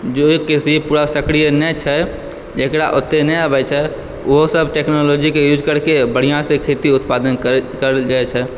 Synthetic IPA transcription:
d͡ʒoekisipuːɾasəkɽijənɛt͡ʃʰɛ | d͡ʒeːkɽaʔot̪ːenɛabɛt͡ʃʰɛ | oɦsəbʱʈeknoloːd͡ʒikejud͡ʒkəɾkebəɽ̤ijãsekʰet̪iʊt̪paːd̪ənkəɾd͡ʒaːɛt͡ʃʰɛ

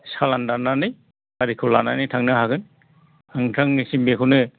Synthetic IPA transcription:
salandananɯj | aɾikʰulananɯjtʰaŋnɯɦaɡɯn | aŋtʰaŋnisimbekʰunɯ

